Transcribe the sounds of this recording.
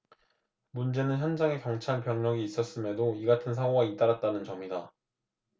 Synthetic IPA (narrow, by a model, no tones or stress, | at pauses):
mund͡ʑe̞nɯnçjʌnd͡ʑaŋe̞kjʌŋt͡ɕʰaɭpjʌŋɲʌɡiːs͈ʌs͈ɯme̞doiɡatʰɯns̬ʰaoɡait͈aɾat̚t͈anɯnt͡ɕʌmida